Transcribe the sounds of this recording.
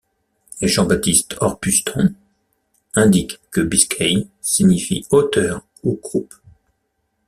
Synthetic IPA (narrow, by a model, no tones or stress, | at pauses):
leʒɑ̃bat̪ist̪ɔʁpyst̪ʰɔ̃ | ɛ̃d̪ikkːəbiskʰʲɛj | siɲifḭot̪œʁ | uɡʁup